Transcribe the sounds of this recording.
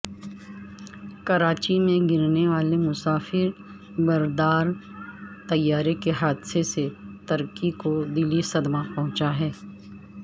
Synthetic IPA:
kɐɾaːt͡ʃimẽɡɪɾneʋaːlemʊsaːfɪɾ | bɐɾd̪aːɾ | t̪ɐjːaːɾekeɦaːd̪seset̪ɐɾkikod̪ɪlːisɐd̪mapɐɦʊ̃t͡ʃaɦɛː

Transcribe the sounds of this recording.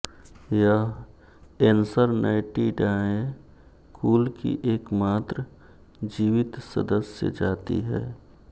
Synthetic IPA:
jəɦ | ensəɾnaːɪʈiɖaːẽ | kʰuːlkḭʔeːkmaːt̪ɾə | d͡ʒiːʋɪt̪sə̰d̪əsjə̰d͡ʒaːt̪ḭɦɛ̰ː

